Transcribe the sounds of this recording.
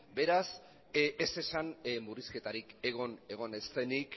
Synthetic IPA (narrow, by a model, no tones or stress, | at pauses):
be̞ɾas | ese̞sanmuriske̞t̪aɾike̞ɣ̞o̞ne̞ɣ̞o̞ne̞st̪e̞nik